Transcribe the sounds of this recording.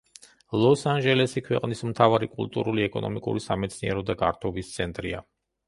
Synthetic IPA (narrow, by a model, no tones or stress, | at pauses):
lˠɔsanʒɛlɛsikʰwɛ̰qʼnismt̪ʰavaɾikʼulˠt̪ʼṵɾuliɛkʼɔnɔ̰mikʼṵɾisamɛt̪sʰniɛɾɔd̪aɡa̰ɾt̪ʰɔvist̪sʰɛnt̪ʼɾia